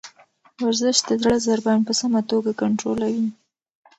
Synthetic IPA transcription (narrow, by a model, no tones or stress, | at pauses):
waɾzɪʃt̪̚d̪əzɽazaɾbanpəsamat̪oɡakaɳʈɾolawi